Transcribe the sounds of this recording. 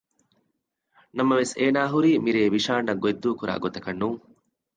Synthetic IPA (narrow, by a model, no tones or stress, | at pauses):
nɐmɐʋeseːnaːɦuɾiːmiɾeːʋiʃaːɳːɐɡoed̪ːuːkuɾa̰ːɡot̪ɐkɐnːuːŋ